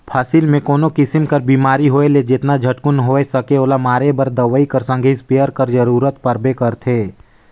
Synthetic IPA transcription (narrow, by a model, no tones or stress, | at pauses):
pʰaːsɪlmẽkoːnokɪsɪmkɐɾbiːmaːɾiɦoːeled͡ʒɪt̪nad͡ʒʱəʈkʊnɦoːesɐkeoːlamaːɾebɐɾd̪əʋəikɐɾsə̃ŋɡʱispejəɾkəɾd͡ʒəɾuːɾət̪pəɾbekɐɾt̪ʰeː